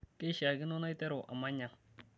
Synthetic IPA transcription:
ke˦ʃa˨ɡi˦no˦na˦jte˦ɾo˨ʔa̰˨ma˦ɲa˨ŋ

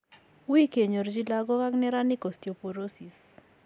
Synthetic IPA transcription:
wi˦ke˨ɲo˨ɾd͡ʒi˦la˦ɡɔ˦ka˦knɛ˦ɾa˦nɪ˦ko˨stjo˨po˨ɾo˦si˨s

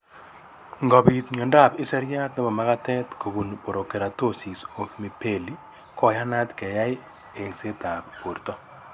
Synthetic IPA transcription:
ŋɡɔ˨bi˨t̪ɲɔ˨nda˦˨pɪ˦sɛ˦ɾja˦tn˦bɔ˨ma˦ka˦tɛ˦tko˨bu˨npo˨ɾo˨ke˨ɾa˨to˦si˨so˨kmi˨pe˨li˦ | kɔ˦˨ja˦na˦tkɛ˨ja˦j | e˨se˦ta˨ppo˨ɾt̪ɔ˦

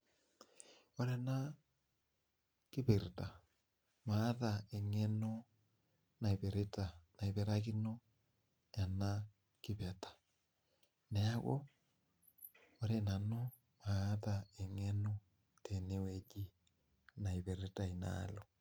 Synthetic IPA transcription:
o˦ɾɛ˦na˦ | ki˦βe˨ɾe˨ta˨ | maː˨˦ða˨e˨ŋɛ˦no˦ | na˨i˨βe˨ɾe˦ta˨na˨i˨βɛ˨ɾa˦ki˦no˦ | ja˨na˦ | ki˦βɛ˨tḁ˨ | nɛ˨a˦ɣo̰˦ | o˨˦ɾe˨na˨no˦ | maː˨˦ða˨e˨ŋɛ˦no˦ | te˨ne˦wɛ˨d͡ʒi˦ | na˨i˨βe˨ɾe˦ta˨i˨na̰˦lo˨

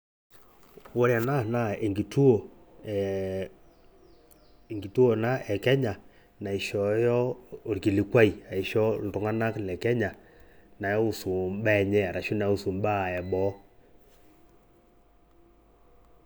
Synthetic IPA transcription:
wo˦ɾja˨na˦na˦˨e˨ŋɡi˨tu˦o˨ | e˨ŋɡi˨tu˦o˨na˦ɛ˨kɛ˦ɲa˨ | na˨i˨ʃɔ˨˦jɔ˦o˨ɾki˨li˨kwa˦i˨a˨i˨ʃɔ˦n˨tɔ˨ŋa˦na˦klɛ˨kɛ˦ɲa˨ | na˨jɔ˦u˦˨su˨mbɛ˦˨ɲɛ˦a˨ɾa˨ʃu˦na˨˦u˦su˨mba˦˨ɛ˨bɔ˨˦

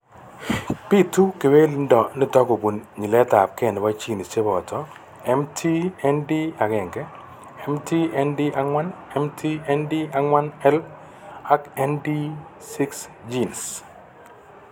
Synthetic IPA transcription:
pi˦tu˦ke˨we˦li˦ndɔ˨nɪ˦tɔ˦ɡo˨bu˨nɲi˨lɛ˦ta˨p̚kɛ˦˨n˨wa˦t͡ʃi˦˨ni˨t͡ʃe˦bɔ˨tɔ˨ | ɛ˦mtʰi˦ɛ˦ndi˦a˨ɡɛ˨ŋɡɛ˦ | ɛ˦mtʰi˦ɛ˦ndi˦ʔa˨ŋwa˦nɛ˦mtʰi˦ɛ˦ndi˦a˨ŋwa˦nɛ˦l | a˦kɛ˦ndi˦ | si˦ksd͡ʒi˦ns

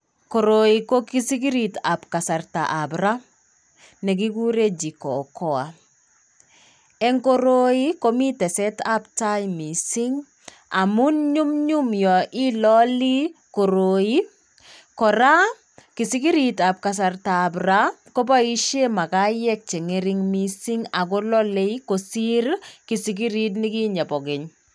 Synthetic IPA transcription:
ko˨ɾoiko˦ki˦si˦ki˦ɾita˨pka˨sa˨rta̰ʔa˨bɾa˦ | nɛ˨ki˦ku˦ɾe˦d͡ʒi˨kɔ˨kɔ˦a̰˨ | ɛ˦ŋko˦ɾo˦i˦ko˦mi˦tɛ˨sɛ˦taptajmi˨siŋ | a˨mu˦nɲu˦mɲu˦mjɔ˨ʔi˦lɔli˦ | ko˨ɾoi˦ | kɔ˨ɾa˦ | ki˨si˦ki˦ɾi˨ta˨p̚kas̬artabɾa˦ko˦ba˦i˦ʃe˦ma˨ka˦jɛ˦k̚t͡ʃe˨ŋe˦ɾɪŋmisi˦ŋa˨kɔ˦lɔ˦le˦iko˨si˦ɾki˨siki˦ɾi˦t̬nɪ˦ki˦ɲa˨bɔ˨kɪ˨ɲ

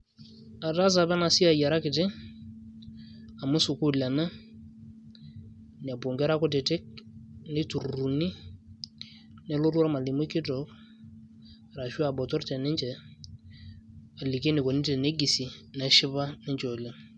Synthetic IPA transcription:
a˨da˦z̬a˨bɛ˦na˨si˦a˨ja˨ɾa˦kɪ˨tɪ˦ | a˨mʊ˦sʊ˨kʊ˦˨la˨na˦ | n˨a˨bo˨ŋɡɛ˦ɾa˦kɔ˦tɪ˨tɪ˦k̚ne˦tu˨ɾu˨ni˦ | nɛ˦lo˦ɾu˦ɾa˦ma˨li˨mʊ˦kɪ˦tɔ˨k | ɾa˨ʃu˦a˨bɔ˨tɔ˦ɾtɛ˨nɪ˦ɲd͡ʒɛ˨ | a˨li˨ke˦nɪ˨ko˨ni˦tɛ˨ne˦ɡi˨si˨nɛ˨ʃɪ˦ba˦nɪ˦ɲd͡ʒɔ˨la˦

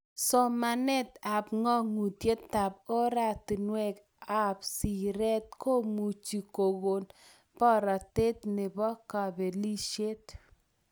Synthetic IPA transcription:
sɔ˨ma˨nɛ˦t̪a˨pŋɔ˦ŋu˨tje˦t̪ːa˨p̚o˦ɾa˦˨ti˨nwɛ˦k | a˦˨p̚si˨ɾɛ˦t̪̚kʰo˦mu˨t͡ʃi˨ko˨ɣo˨n | pɔ˦ɾa˨te˦t̪ne˨bɔ˦ka˨be˨li˦ʃje˦t

